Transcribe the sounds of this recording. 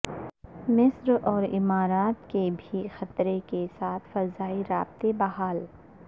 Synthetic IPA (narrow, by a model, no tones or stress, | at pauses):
mɪsɾɔːɾɪ̰maːɾaːt̪kebʱixɐt̪ɾekesaːt̪ʰfɐzaːiɾaːbt̪ebɐɦaːl